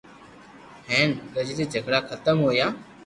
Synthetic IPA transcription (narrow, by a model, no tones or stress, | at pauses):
hɛ̃ːnkəd͡ʒd̪iːd͡ʒʱəɡɽaːkʰət̪əmɦoːjaː